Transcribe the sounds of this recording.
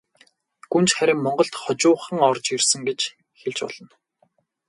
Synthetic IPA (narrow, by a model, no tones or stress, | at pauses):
ɡ̥unt͡ɕχæɾʲɪ̆mmɔɴɢɞ̆ɬt̪χɔt͡ɕʊːχə̆ŋɔrt͡ɕirsɘ̆ŋɡet͡ɕ | xeɮt͡ɕpɔ̰ɮ̥ɞ̆n